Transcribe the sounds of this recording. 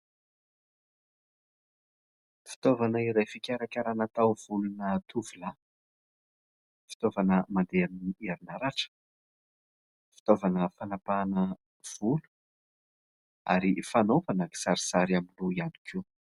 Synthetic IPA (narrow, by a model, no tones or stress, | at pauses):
fi̥t̪ovanəiɾajfikʲaɾakʲaɾanat̪awv̥ulunət̪uvila | fi̥t̪ovanəmand̪eannieɾinaɾaʈ͡ʂə̥ | fi̥t̪ovanəfanapanə | v̥ulu̥ | a̰ɾifanovanaki̥saɾisaɾiamiluianikʰu